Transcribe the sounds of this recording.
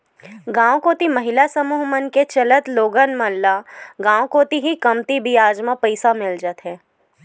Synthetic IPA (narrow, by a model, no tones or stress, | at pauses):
ɡãːwkoːt̪imɐɦɪlasɐmuːɦmənket͡ʃɐlət̪loːɡənmɐlːaɡãːwkoːt̪iɦikɐmt̪ibijaːd͡ʒmãpəɪsamɪld͡ʒət̪ɦɛː